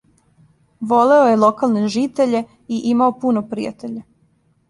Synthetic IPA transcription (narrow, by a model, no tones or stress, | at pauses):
ʋo̞le̞ojelˠokalneʒit̪e̞ʎe̞ | iʔimaopunopɾḭja̰t̪eʎa